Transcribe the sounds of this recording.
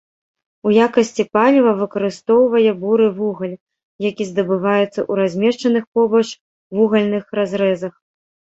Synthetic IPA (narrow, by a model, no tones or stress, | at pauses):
ujakɐsʲt͡sʲipalʲivɐvɨkɐɾɨst̪ɔwvɐjɛbuɾɨvuɣɐlʲ | jakʲizd̪ɐbɨvajut̪sːɐ̰ʔuɾazʲmʲɛʂt͡ʂɐnɨxpɔbɐt͡ʂ | vuɣɐlʲnɨxrazɾɛzɐx